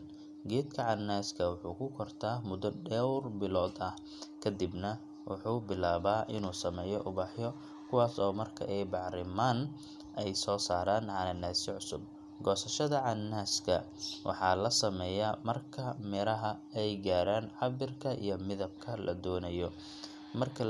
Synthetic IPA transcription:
ɡɛːd̪kʰɐʕɑnːaːskʰɐwʊħuːkʰʊkʰɔrt̪ʰaːmʊðɐɖɛwrbɪlɔːd̪ɐh | kʰɐd̪ɪbnɐ | wʔʊ̰ħuːbɪlaːβaːʔɪnuːsɐmɛːjɔʔʊβɑħjɔ | kʰʊwɑːsɔːmɐrkʰɐ̰ʔɛjbɑʕɾɪmaːn | ʔɛjsɔːsaːɾaːnʕɑnɐnaːsɪʕʊsʊb̚ | ɡɔːsɐʃɐðɐʕɑnːaːskʰɐ̰ | wʔɑ̰ħɑːlɐsɐmɛːjamɐrkʰɐmɛɾɐɦɐ | ɛjɡaːɾaːnʕɑbɪrkʰɐʔḭjɞmɪðɐb̚kʰɐlʔɐ̰d̪ɔːnɐjɔ | mɐrkʰɐ

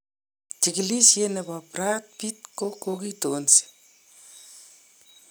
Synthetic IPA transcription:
tikilisjenepaprat̚pit̪̚kokokitoːnsi̥

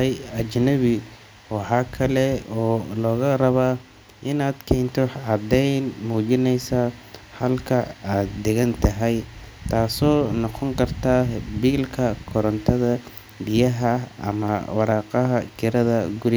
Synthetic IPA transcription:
jɐt͡ʃnɐβɪ | wɑħɑːkʰɐlɛɔːlɔːɣɐrɐβaː | ʔɪnaːd̪kʰɛːnt̪ʰɔʕɑd̪ɛjnmuːt͡ʃɪnɛjsa | hɐlkʰɐaːd̪̚d̪ɛɣɐnt̪ʰɐɦɛjt̪ʰaːsɔːnɔqɔŋkʰɐrt̪ʰaːbiːlkʰɐkʰɔɾɔnt̪ʰɐðɐ | bɪjɐɦɐʔɐ̰mɐwɑɾɑːqɑɦɐkʰɪɾɐðɐɡʊɾ

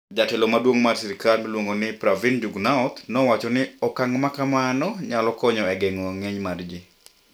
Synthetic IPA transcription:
d͡ʒatɛlomadwoŋmarsɛɾɪkalmilwoŋɡonɪpɾavind͡ʒuɡnaɔt̪nɔwat͡ʃɔnɪɔkaŋmakamanɔɲalɔkɔɲɔɛɡɛŋɔŋeɲmard͡ʒi

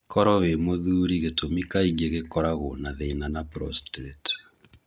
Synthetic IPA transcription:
kɔɾɔβemoðuːɾiɣetomikaiɣeɣekɔɾaɣonaðenanapɾɔ̰stɾet

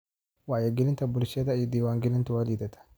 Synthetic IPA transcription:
wajaɡilɪnt̪abʊlsat̪ajid̪iwaŋɡilɪnt̪uwalid̪at̪ḁ

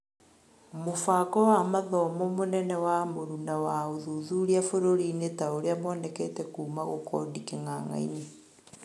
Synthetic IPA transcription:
mofakɔwamaðɔmɔmonɛnɛwamoɾunawaoðuðuɾiafoɾoɾinetaoɾeamwɔːnɛkɛtɛkuːmaɣokʰɔ̰dikeŋaŋa̰ine

